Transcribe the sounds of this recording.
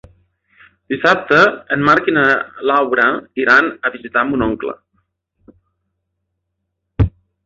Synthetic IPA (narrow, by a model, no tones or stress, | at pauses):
d̪̥isap̚t̪əːnmaɾkinəlawɾəiɾanəβizit̪amunɔŋklə̰